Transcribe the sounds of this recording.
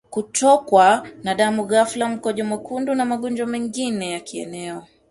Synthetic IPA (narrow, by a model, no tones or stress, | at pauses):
kutʰɔkwanaɗamuɣaflam̩kɔʄɔmakundunamaɠɔnd͡ʒwamɛŋɡinɛjakʰiɛ̰nɛɔ